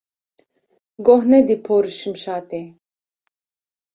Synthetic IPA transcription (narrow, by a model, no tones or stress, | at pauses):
ɡɔɦnɛd̪ipʰɔɾʃɨmʃaːt̪ɛ